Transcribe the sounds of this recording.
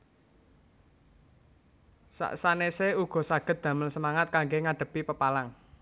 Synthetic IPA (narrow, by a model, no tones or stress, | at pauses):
sa̰ʔsaneseuɡ̥ɔ̤saɡ̥ə̤t̪̚d̪̥ä̤məlsəmaŋat̪̚kaŋɡeŋaɖ̥ə̤pipəpalaŋ